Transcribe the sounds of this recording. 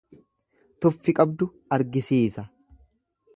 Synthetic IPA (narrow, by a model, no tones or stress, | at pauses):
t̪ʊfːɪkʼɐbd̪ʊ | ɐɾɡɪsiːsɐ